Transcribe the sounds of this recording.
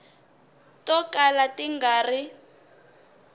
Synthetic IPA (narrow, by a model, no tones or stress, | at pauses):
tɔkalatiŋɡaːri